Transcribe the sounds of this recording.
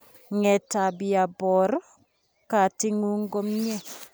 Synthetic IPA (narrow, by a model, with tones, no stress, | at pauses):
ŋɛ˨ta˨bi˨a˨bɔ˨ɾ | ka˨ti˦ŋu˦ŋ˦ɡɔ˦mɲɛ˦˨